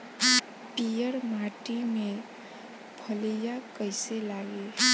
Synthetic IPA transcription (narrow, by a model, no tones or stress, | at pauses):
pijəɾmaʈimẽ | bʱəlijakəɪselaɡe